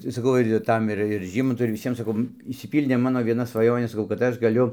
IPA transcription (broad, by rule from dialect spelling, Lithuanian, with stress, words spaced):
tɐɪ sɐˈkɐʊ ɪr ɪr ˈtɐm ɪr ɪr ˈʒʲiːmɐntʊ ɪr ʋʲɪˈsʲiɛm sɐˈkɐʊ ɪʃʲsʲɪˈpʲiːlʲdʲeː ˈmɑːnoː ʋʲiɛˈnɐ sʋɐˈjoːnʲeː sɐˈkɐʊ kɐt ˈɐʃ ɡɐˈlʲʊ